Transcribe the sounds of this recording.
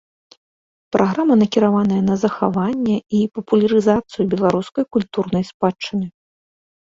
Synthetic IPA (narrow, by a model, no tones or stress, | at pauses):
pɾʔaɣɾamɐnɐkʲiɾavanɐjɐnɐzɐxa̰vanʲːɛipɐpulʲɐɾɨzat̪sɨjubʲɛlˠaɾuskɐjkulʲt̪urnɐjspat͡ʂːɨnɨ